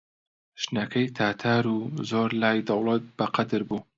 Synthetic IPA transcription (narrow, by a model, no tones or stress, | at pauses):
ʃnɐkʰɐjt̪ʰaːt̪ʰaːɾuːzoːɾlaːjd̪ɐwlˠɑt̪̚b̥ɐqɐd̪ɨɾbuː